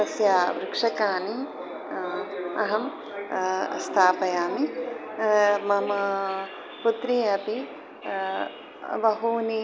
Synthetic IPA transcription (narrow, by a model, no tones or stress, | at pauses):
ɐsjaːʋɾɪkʂɐkaːni | ɐɦɐm | st̪ʰaːpɐjaːmi | mɐmɐ | put̪ɾiɐpi | bɐɦuːni